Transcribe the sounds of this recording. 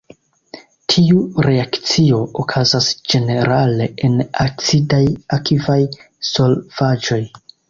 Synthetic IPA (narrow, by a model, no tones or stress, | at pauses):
tʰiuɾe̞akt͡sio̞ʔokʰazasd͡ʒe̞ne̞ɾale̞ʔenakt͡sidajakʰivaj | so̞lvad͡ʒo̞j